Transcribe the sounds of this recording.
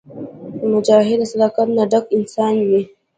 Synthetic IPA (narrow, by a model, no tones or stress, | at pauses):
mʊd͡ʒaːɦɪd̪asɐd̪akatnadɐkʔɪnsaːnje